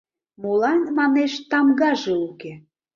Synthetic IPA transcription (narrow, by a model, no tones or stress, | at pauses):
molɑnmɑneʃt̪ɑmɡɑʒeuke